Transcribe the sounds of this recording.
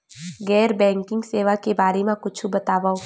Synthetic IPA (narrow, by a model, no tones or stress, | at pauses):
ɡɛːɾbɛ̃ːŋkɪ̃ŋɡseːʋakebaːɾemẽkʊt͡ʃʰubɐt̪aːʋaːo